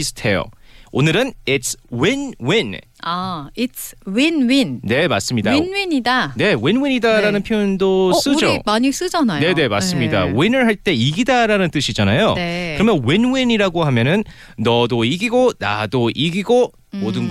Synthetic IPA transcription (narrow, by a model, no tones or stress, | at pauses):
sʰɯ̥tʰe̞jo̰onɯɾɯnitswinwin | aitswinwinne̞mas͈ɯmɲidainwiɲidane̞winwiɲidaɾanɯnpʰjojondos͈ɯd͡ʑomaɲis͈ɯd͡ʑanajne̞ne̞mas͈ɯmɲida̰winɯɭɦaɭt͈e̞iɡidaɾanɯnt͈ɯɕʰid͡ʑanajoneɯɾʌmjʌnwinwiɲiɾaɡohamjʌnɯnː | ʌdoiɡiɡona̰doʔiɡiɡo | modɯnɡ